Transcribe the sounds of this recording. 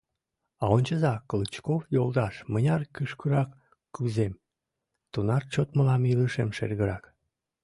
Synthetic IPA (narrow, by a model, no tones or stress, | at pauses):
ɑonʲt͡ɕəzɑkɤlɨt͡ɕkofjolˠd̪ɑʃmənʲɑrkəʃkuɾɑkː | uzem | t̪unɑrt͡ɕot̪məlɑmiləʃemʃḛrɣəɾɑk